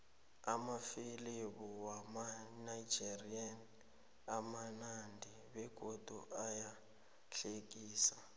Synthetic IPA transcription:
amafiliβuwamanajd͡ʒirian | amanandʱi | βɛɡ̥ʱod̥ʱuʔaja | ɬekʼiːsa

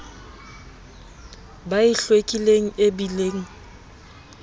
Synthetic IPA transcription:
baɪɬwekʼileŋ̩ebileːŋ̩

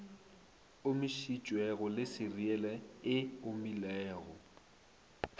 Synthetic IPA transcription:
ʊmɪʃit͡ʃʼwɛɣʊlɪsɪriɛlɛɪʊmilɛːɣɔ̰

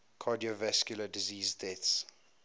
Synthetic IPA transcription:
kʰɑːdiovaskjulədiziːzdɛts

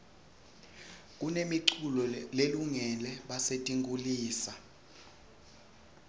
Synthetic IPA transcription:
k̬ʼunemiǀʰulɔleluŋɛlɛɓasetʼiŋkʼuliːsa

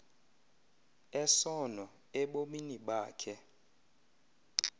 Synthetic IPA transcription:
ɛsɔnɔ | ɛɓominiɓaːkʰɛ

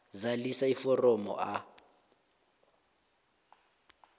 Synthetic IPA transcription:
zalisaifɔrɔmɔ̰ʔa

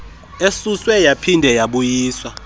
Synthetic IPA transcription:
esuswɛjapʰindʱɛjaɓujiːswa

